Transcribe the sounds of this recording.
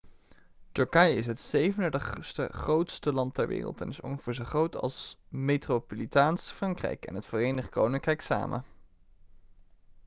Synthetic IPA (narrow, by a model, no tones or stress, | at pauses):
tɵɹkɑjɪsɦətsejvəndədəstə̰χrowtstəlɑntɛɹʋɪ̰ːrə̰lˠtɛnɪsɔ̰ŋχəv̥ɪːɹzəχrowtʰɑ̰lˠsmejtrowpolitaːnsfrɑŋkrɛ̰jkɛ̰nɦətfoːrejnəχko̰wnɪŋkrɛjksa̰ːmʔə̰